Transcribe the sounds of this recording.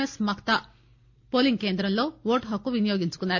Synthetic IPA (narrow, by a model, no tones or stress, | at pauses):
esmɐkt̪ɐ | po̞ːliŋɡ̚ke̞ːnd̪ɾɐmlo̞ːʋoːʈɦɐkːuʋinijoːɡiɲt͡ʃu̥kunːaːɾ